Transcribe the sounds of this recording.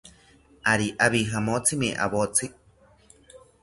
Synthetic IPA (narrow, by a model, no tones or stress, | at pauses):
aɾiʔaβiɦamot͡simeʔa̰βot͡si